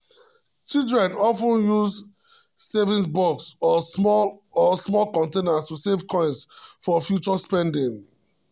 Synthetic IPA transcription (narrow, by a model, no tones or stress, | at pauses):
t͡ʃildɹɛ̃nɔfũnjuz | sevĩnsbɔksɔmɔɔsmɔlkɔ̃ntenastusevkɔ̃ɪ̃nsfɔfjut͡ʃɔspɛ̃ndĩŋ